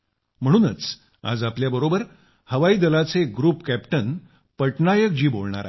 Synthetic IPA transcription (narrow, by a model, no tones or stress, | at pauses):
m̤əɽ̃uːnət͡s | a̰d͡zapljabəɾobəɾ | həʋaiːd̪əlat͡seɡɾuːpkæpʈən | pəʈnajəkd͡ʑiːbo̰lɳa̰ɾa̰